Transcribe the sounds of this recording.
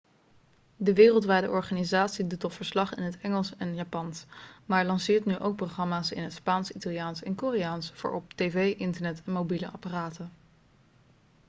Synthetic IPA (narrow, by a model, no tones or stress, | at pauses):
dəʋɪːrəlˠtʋɛjdə̰ʔɔɹχaːnizaːtsidutɔtfəɹslɑχɪ̰nɦətɛŋəlˠsɛnjaːpɑnsmaːɹlɑnsɪːɹtnyʔowk̚proχrɑmaːsɪ̰nɦətspaːnsitalˠijaːnsɛnkoːrejaːnsv̥ʊ̰ːɹɔptejvejʔɪntəɹnɛtɛnmowbilə̰ʔɑ̰paraːtə